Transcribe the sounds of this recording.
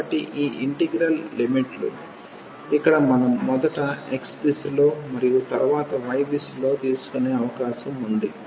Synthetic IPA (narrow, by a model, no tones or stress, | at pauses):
ɐɐʈiʔiːʔiɳʈeɡɾɐllimiʈlṵ | ikːɐɽɐmɐnɐmːɔd̪ɐʈɐḛkspislo̞ːmɐɾijut̪ɐɾuʋaːt̪ɐʋɐjbislo̞ːt̪iːsu̥kune̞ːɐʋɐkaːʃɐmund̪i